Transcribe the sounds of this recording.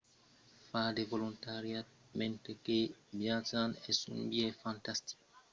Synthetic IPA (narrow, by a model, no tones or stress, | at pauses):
fad̪evolunt̪aɾja | mẽnt̪ekebjad͡ʒanesṵ̃mbiefãnt̪ast̪i̥ko̥